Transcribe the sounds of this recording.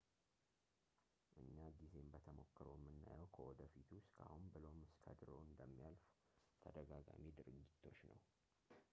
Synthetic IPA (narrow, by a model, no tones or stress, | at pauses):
ʔɨɲːaɡize̞mbət̪ʰəmo̞kːəɾəjmːɨnːa̰jəwkʰəwɔd̪əfit̪ʰuskʰa̰hunbɨlomɨskʰə̰d̪ɾo̰ɨnd̪əmːijalf | t̪ʰəd̪əɡaɡa̰mid̪ɨɾɨɡit̪ʰːo̞t͡ʃːnəw